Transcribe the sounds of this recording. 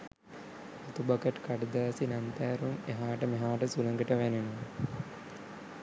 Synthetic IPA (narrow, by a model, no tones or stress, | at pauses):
ɐt̪ubakəʈkaɖɐd̪aːsinant̪æːɾumeɦaːʈəmeɦaːʈəsulɐŋɡəʈəʋæneno